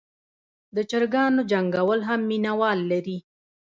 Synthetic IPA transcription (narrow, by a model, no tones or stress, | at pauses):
d̪ət͡ʃəɾɡɑnod͡ʒaŋɡawəlɦamːinawɑlːaɾi